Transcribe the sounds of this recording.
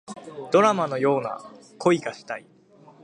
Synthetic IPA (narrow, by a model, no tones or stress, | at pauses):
d̪̥o̞ɾamano̞jo̞ːna̰ | kʰo̞iɡaɕi̥t̪ai